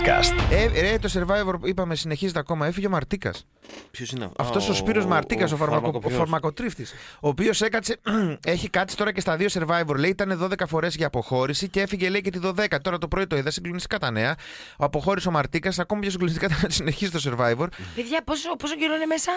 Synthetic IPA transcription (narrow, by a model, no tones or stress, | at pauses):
kɐ̰st̪eɾet̪o̞se̞ɾvɐjvo̞ɾpuipɐme̞sine̞çizet̪eɐko̞mɐe̞fiʝe̞omɐɾt̪ikɐ̰s | pçosɐ̰ft̪o̞sospiɾo̞zmɐɾt̪ikɐs̬ofɐɾɐofɐɾmɐko̞t̪ɾift̪iso̞ːpiose̞kɐt͡see̞çikɐt̪si̥t̪o̞ɾɐcest̪ɐðio̞se̞ɾvɐivo̞ɾleiit̪ɐneðo̞ðe̞kɐfo̞ɾe̞zʝɐːpo̞xo̞ɾisicee̞fiʝe̞le̞icet̪iðo̞ðe̞kɐt̪o̞ɾɐt̪o̞pɾoit̪o̞iðɐsiŋɡlo̞nist̪ikɐt̪ɐne̞ɐ | oɐpo̞xo̞ɾisiomɐɾt̪ikɐsɐko̞mɐpçosiɡlonist̪ikɐt̪enɐt̪i̥sine̞çizit̪o̞se̞ɾvɐjvo̞ɾpeðʝɐposposoɟiɾonemesɐ